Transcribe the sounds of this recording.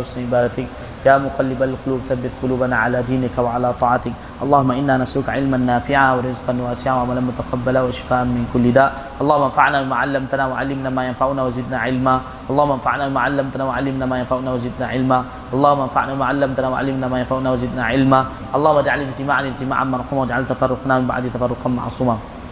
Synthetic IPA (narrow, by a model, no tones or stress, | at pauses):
snʔɪbaːd̪at̪ɪk | jaːmʊqalːɪbalqʊluːbθabːɪt̪qʊluːbanaʕa̰laːd̪iːnɪkwaʕalaːt̪ˤɑːʕɑt̪ɪk | ʔɑlˤːɑːhʊmːaʔɪnːaːnaslʊkʕɪlmanːaːfɪʕawɪɾˤɪzqɑnwaːsɪʕawaʕamalanmʊt̪aqabːalawaʃɪ̥faːʔanmɪnkʊlːɪd̪aːʔ | ʔɑlˤːɑːhʊmːʔanfaʕnaːbɪmaːʕalːamt̪anawaʕalːɪmnaːmaːjanfaʕunaːwazɪd̪naʕɪlma | ʔɑlˤːɑːhʊmːaʔanfa̰ʕnaːbɪmaːʕalːamt̪anaːwaʕalːɪmnaːmaːjanfaʕunaːwazɪd̪naʕɪlma | ʔɑlˤːɑːhʊumːʔnfa̰ʕnaɪmaːʕalːamt̪anaːwa̰ʕa̰lːɪmnaːmaːjanfaʕunaːwazɪd̪naːʕɪlma | ʔɑlˤːɑːhʊmːad͡ʒaʕalɪd͡ʒt̪ɪmaːʕanɪd͡ʒt̪ɪma̰ːʕʔamːaɾˤħuːmawad͡ʒaʕalt̪afɑrˤːʊqnaːmɪmba̰ʕd̪it̪afɑrˤːʊqɑnma̰ʕsˤuːma